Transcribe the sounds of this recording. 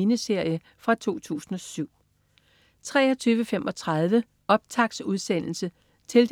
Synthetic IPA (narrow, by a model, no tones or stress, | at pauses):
inəse̝ɐ̰jə | fʁɑ̈t͡sʰo̝̰ːt͡sʰṵːsn̩ɒ̽syʊ̰ | t͡sʰʁɛ̰ːɒ̽t͡sʰyːʊʋəfemʔɒ̽t͡sʰʁɑð̞ˠʋə | ɒ̽b̥̚t͡sʰɑ̈ɡ̥suð̞ˠsen̰l̩sə | t͡sʰe̝ld̥